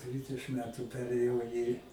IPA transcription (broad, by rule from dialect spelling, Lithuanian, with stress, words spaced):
ˈdʲʋʲɪdʲɛʃɨm ˈmʲæːtʊ ˈpʲæːrʲeːjɛʊ iː